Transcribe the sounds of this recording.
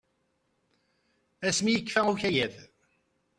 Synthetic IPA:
æsmijəkːfæuçæjæð

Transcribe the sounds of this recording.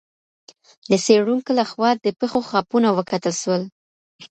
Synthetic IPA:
d̪əseɽuŋkolaxwɑd̪əpexoxɑpunawəkat̪əlʃwəl

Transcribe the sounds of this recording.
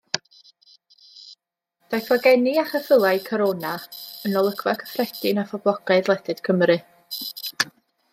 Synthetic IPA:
d̥ajθvaɡɛniaχəfəlˠajɨkʰɔɾoːnaənɔlˠəɡvakʰə̥frɛd̥ɪnafɔblˠɔɡaɨðlˠɛdɨd̥kʰəmɾɨ

